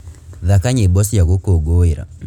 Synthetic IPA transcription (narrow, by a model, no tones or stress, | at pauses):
ðakaɲebɔsjaɣokoɡoeɾa̰